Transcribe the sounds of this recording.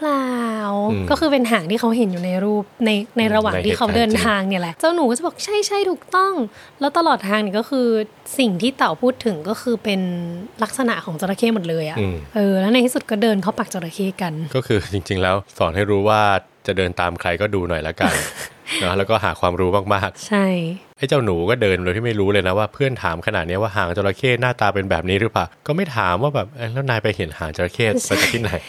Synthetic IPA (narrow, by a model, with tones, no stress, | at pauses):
pʰlaː˧wkɔː˥˩xɯː˧pe˧nɦaː˩˦ŋt̪ʰiː˥˩xʰa˦˥wɦe˩˦njuː˨˩na˧jɾuː˥˩p̚na˧jna˧jɾa˧waː˨ŋiː˨˩˥kʰa˦˥wdɤː˧nt̪ʰaː˧ŋni˧˥˩lɛ˨˩ʔt͡ɕaː˥˩wnuː˨˦kɔː˥˩a˨˩bɔː˨˩k̚t͡ɕʰa˥˩jt͡ɕʰa˥˩jt̪ʰuː˨˩k̚t̪ɔ˥˩ŋlɛ˦˥wt̪a˧lɔː˨˩t̪̚ʰːaː˧ŋniː˧˩kɔː˥˩xʰɯː˧ | si˨˩ŋt̪ʰiː˥˩t̪a˨˩wpʰuː˥˩t̪ʰːɯ˩˦ŋkɔː˥˩xʰɯː˧pe˧nla˦˥k̚sa˧na̰˨˩ʔkʰɔː˩˦ŋt͡ɕa˧ɾa˧kʰeː˥˩mo˨˩t̪̚lɤː˧jʔa˨˩ʔʔɤː˧lɛː˦˥wna˧j̪ʰiː˥˩su˨˩kɔː˥˩dɤː˧nkʰa˦˥˩wpaː˨˩k̚t͡ɕa˧ɾa˧kʰeː˧˥˩ka˧nkɔː˥˩kʰɯː˧t͡ɕi˧ŋt͡ɕi˧ŋlɛː˦˥wsɔː˨˩˦nha˥˩jɾuː˦˥waː˥˩ | t͡ɕa˨˩dɤː˧nt̪aː˧mkʰɾa˧jkɔː˥˩duː˧nɔ˨˩jla˦˥ka˧nnɔ˦˥lɛː˦˥wkɔː˥˩ɦaː˩˦kʰwaː˧mɾuː˦˥maː˥˩k̚maː˥˩k̚t͡ɕʰa˥˩jʔa˥˩jt͡ɕaː˥˩wnuː˩˦kɔː˥˩dɤː˧nɾe˧t̪ʰiː˥˩ma˥˩jɾuː˦˥lɤː˧jna˦˥waː˥˩pʰɯ˥˩ənt̪ʰaː˩˦mkʰa˧na̰˨˩t̪̚ni˦˥ɐwaː˥˩ɦaː˩˦ŋt͡ɕa˧wɾa˧kʰeː˥˩t̪̚naː˥˩t̪aː˧pe˧nbɛː˨˩p̚niː˦˥ɾɯ˦˥paː˨˩wkɔː˥˩ma˥˩jt̪ʰaː˩˦mwaː˥˩bɛː˨˩p̚ʔlɛː˦˥naː˧jpa˧jhe˩˦nhaː˩˦ŋt͡ɕa˧ɾa˧kʰeː˥˩t̪̚pa˧t͡ɕa˨˧t̪ʰiː˥˩na˨˩j